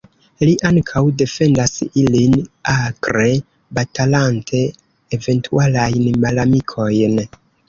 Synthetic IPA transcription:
liʔaŋkʰawde̞fe̞ndasilinakɾe̞ | batalantʰe̞ː | ve̞ntʰualajnmalamikʰo̞jn

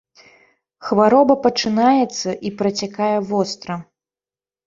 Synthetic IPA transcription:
xvaɾɔbɐpɐt͡ʂɨnajɛt̪sːɐʔipɾɐt͡sʲakajɛvɔst̪ɾɐ

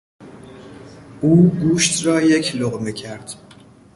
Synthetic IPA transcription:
ʔuːɡuːʃt̪ɾɒːje̞cʰloɣmiːcʰæɾd̪̥

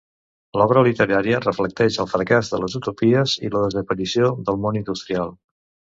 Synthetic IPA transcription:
lɔβ̞ɾəlit̪əɾaɾiərəflək̚t̪ɛʃəlˠfɾəkazðələzut̪upiəziləðəzəpəɾisioðəlˠmonind̪ust̪ɾialˠ

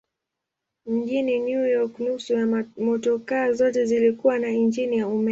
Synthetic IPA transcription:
m̩ɡinɛnjujɔknusujamɔtɔkaːzɔtɛzilikuwanaind͡ʒinijaumɛ

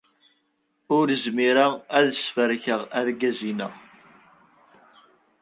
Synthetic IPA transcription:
ʊɾəzmiɾaæðəsfəɾçəʁæɾɡæzinəʁ

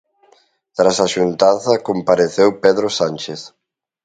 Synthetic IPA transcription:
t̪ɾasaʃunt̪aθɐkompaɾeθewpɛðɾosanʲt͡ʃeθ

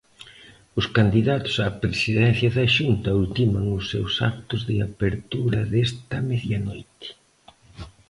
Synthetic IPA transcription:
ʊskand̪iðat̪ʊ̥sapɾesiðɛn̟θjɐðɐʃunt̪ɐult̪imɐŋʊsːḛwsa̰k̚t̪ʊzðɪapeɾt̪uɾɐðest̪ɐmeðjɐnojt̪ɪ̥

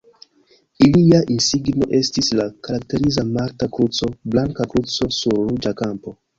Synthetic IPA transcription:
iliaʔinsiɡno̞̰ʔe̞stislakaɾakte̞ɾizamaɾtakɾut͡so̞blaŋkakɾut͡so̞suɾːud͡ʒakampo̞

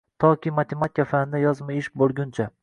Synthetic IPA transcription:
t̪ʰɒkʲimat̪ʰemat̪̚ɪkʰʲafand̪ajɒzmaɪʃbolˠɡʲʊnt͡ʃʰa

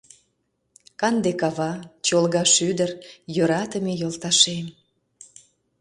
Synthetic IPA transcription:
kɑnd̪ekɑβɑt͡ɕolɣɑʃyd̪ərjøɾɑt̪əmejolt̪ɑʃem

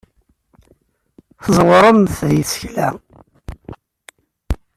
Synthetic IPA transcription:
θəzˤwəɾˤəmθðjisə̥çlæ̰

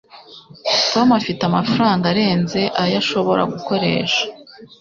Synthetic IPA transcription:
to̞mafitamafuɾaːŋɡaɾe̞ːnze̞ʔajaʃo̞βo̞ɾa̰ɡuko̞ɾe̞̰ːʃḁ

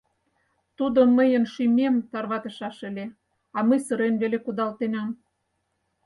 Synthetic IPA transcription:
t̪ud̪oməjənʃimʲemt̪ɑrβɑt̪ə̆ʃɑʃə̆lʲe | ɑməjsə̆ɾenβelekud̪ɑlt̪enɑm

